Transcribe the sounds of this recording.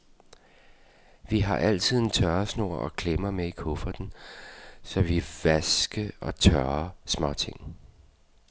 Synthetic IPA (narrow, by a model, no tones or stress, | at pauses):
ʋiɦɑ̈ʔæl̰t͡sʰið̞̰ˠent͡sʰɶɐsno̝ɐ̰ʔɒ̽kʰlemɐmeikʰɔfɐd̥n̩ | sɒ̽ʋiʋæsɡ̥əɒ̽t͡sʰɶɐsmɒ̽t͡sʰe̝ŋ̰